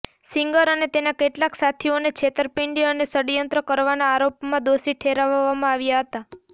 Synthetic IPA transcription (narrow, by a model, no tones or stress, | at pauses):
sɪŋɡəɾənet̪enakeʈlaksat̪ʰionekt͡ʃʰet̪əɾpiɳɖiənesəɽjənt̪ɾəkəɾʋanaːɾopmãd̪osiʈʰeɾaʋʋamãaʋjaɦət̪a